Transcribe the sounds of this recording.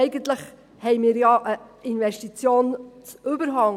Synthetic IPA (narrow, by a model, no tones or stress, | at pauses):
ɛɪɡənt̪ləχ | hɛɪmiːɾjɑʔəinvɛʃtit͡sjoːnt͡sʉbəɾɦɑŋ